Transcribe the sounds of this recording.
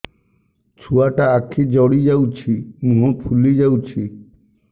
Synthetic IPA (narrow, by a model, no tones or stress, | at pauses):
t͡ɕʰuaʈaakʰːid͡ʑɔɽid͡ʑawt͡ɕʰimũɦopʰulid͡ʑawt͡ɕʰi